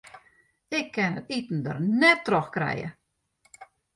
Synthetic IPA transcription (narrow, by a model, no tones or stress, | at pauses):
ɪkʰːɛnətitn̩də̰rnɛtːroxkrɛ̰jə̰